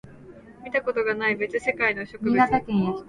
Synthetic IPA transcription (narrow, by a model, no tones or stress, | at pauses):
mʲit̪ako̞t̪o̞ɡanaibe̞t͡sɨse̞kaino̞ɕo̞kɯak̪akʲẽɰ̃jakʲ